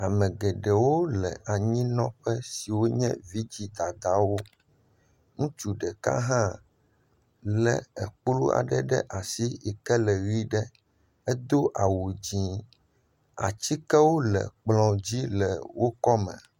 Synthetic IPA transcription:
a˨mɛ̃˨ɡɛ˨ɖɛ˨wo˦lɛ̰˨ʔa˨ɲĩ˦nɔ̃˦ɸɛ˦si˨wo˦ɲɛ̰̃˦vi˦d͡ʑi˦d̪a˨d̪a˦wo˦ | ŋũ˦t͡ʃu˨ɖɛ˨ka̰˦ɦã˦ | lɛ˨ɛ˨k͡plu˦a̰˨ɖɛ˦ɖɛ̰˦ʔa˨si˦ɛ˨kɛ˦lɛ˨wi˦ɖɛ˦ | ɛ˦d̪o˦ʔa˨wo˨d͡ʑĩ˨˦ | a̰˨t͡ɕi˦kɛ˦wo˦lɛ̰˨k͡plɔ̃˨d͡ʑi˦lɛ˨wo˦kɔ˦mɛ̰̃˨

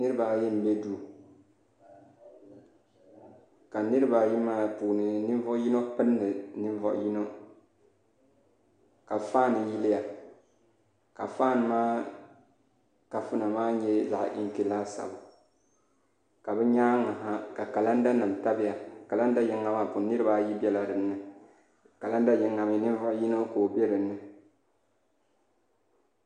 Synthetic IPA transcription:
nɨ˦ɾɨ˦ba˨ji˦m̩˨bɛ˦duː˦ | ka˨nɨ˦ɾɨ˦ba˨ji˦maː˦puː˨nɨ˨nɨ˦ɱ˦vɔ˦ʔji˦no˦pɨ˦nːɨ˨nɨ˦ɱ˦vɔ̰˦ʔji˦no˦ | ka˨faː˦nɨ˨ji˦lɪ˦ja˨ | ka̰˨faː˦˨nɨ˨maː˦ | ka˨fu˦na˨maː˦ɲɛ˦za̰˨ʔʔḭ˦ŋki˨la˦sa̰˨bʊ˨ | ka˨bɛ˦ɲa˦ŋa˨ɦa˦ka˨ka˨la˦n˦da˦na˨m˨ta˦bɪ˦ja˨ka˨la˦n˦da˦ji˦ŋa˦ma˦˨pu˨nɨ˦ɾɨ˦ba˦ji˦bɛ˦la˨dɨ˨m˦nːɨ˨ | ka˨la˦n˦da˦ji˦ŋːa˨mi˨nɨ˦ɱ˦vɔ˦ʔji˦no˦koː˨be˦ɾɨ˨nːɨ˦

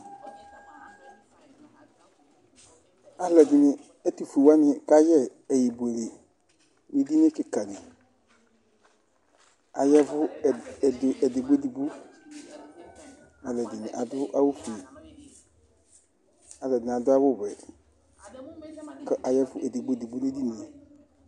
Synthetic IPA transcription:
a˨lɛ˨dɪ˨nɪ˨ | ɛ˦tu˨fi˨wa˦nɪ̃˨ka˦jɛ˦ɛ˨ji˨bu˨e˨le˨ | wi˦di˦nɪ˦kɪ˨ka˨nɪ˨ | a˨jɛ˦vʊ˦˨dɛ˨dɪ˨ɡ͡be˦di˨ɡ͡bo˦ | a˨lɛ˨dɪ˨nɪ̃˨ʔa˨dʊ˦ʔa˦wo˦fi˨ | a˨lɛ˨dɪ˨a˨dʊ˦a˦wʊ˦bɛ˨ | kɛ˦ʔa˨jɛ˦vʊ˦ʔɛ˨dɪ˨ɡ͡be˦di˨ɡ͡bu˦ne˦di˦ne˨

